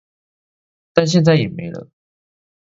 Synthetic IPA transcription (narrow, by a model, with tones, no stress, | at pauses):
t̪a˥˧nɕ̬jɛ˥˧nt͡sa˥˩ɪjɛ˨˩me˨˧˥ɪlə̰˦